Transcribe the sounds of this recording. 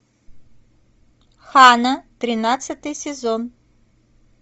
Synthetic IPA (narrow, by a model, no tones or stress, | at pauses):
xanɐt̪ɾʲɪnat̪sɨt̪ɨjsʲɪzon